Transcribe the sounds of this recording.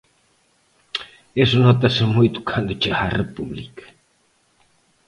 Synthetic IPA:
esʊnɔt̪ɐsɪmujt̪ʊ̥kʰand̪ʊt͡ʃea̰repuβlḭkɐ̥

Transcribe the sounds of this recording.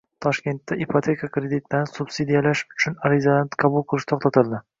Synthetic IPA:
t̪ʰɒʃkʲe̞nt̪ːaʔipʰot̪ʰe̞kʰakɾed̪it̪ʰlaɾsub̥sid̪ijalaʃʊt͡ʃʰʊnaɾizalanqʰɑbʊlˠqʰɨlˠɪʃt̪ʰoχt̪ʰat̪ʰɪld̪ɪ

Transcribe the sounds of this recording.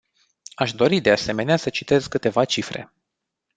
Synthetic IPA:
aʃd̪o̞ɾid̪e̞ase̞me̞neasət͡ʃi̥t̪e̞zkɨt̪e̞vat͡ʃifɾe̞̰

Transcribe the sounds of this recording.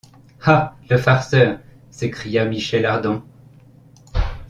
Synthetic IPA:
haləfaʁsœːʁ | sekχijamiʃɛlaʁd̪ɑ̃

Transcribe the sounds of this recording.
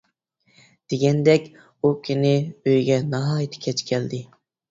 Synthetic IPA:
d̪̥eɡʲɛnd̪ɛkʲ | ukʲʰinɪøjɡʲɛnɑɦɑːjt̪ʰɪ̥kʲʰɛt͡ʃkʲʰɛld̪ɪ

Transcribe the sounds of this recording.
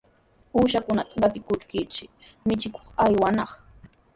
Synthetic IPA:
uːʃakʊnat̪aɢɑt̪ɪkʊt͡ʃkɪt͡ʃɪ | mɪt͡ʃɪko̥χajwanɑχ

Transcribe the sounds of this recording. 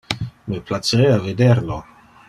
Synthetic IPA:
miplat͡seeaved̪eɾlo

